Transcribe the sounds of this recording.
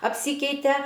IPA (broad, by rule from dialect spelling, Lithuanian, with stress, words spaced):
ɐpʲˈsʲiːkʲɛɪtʲɛ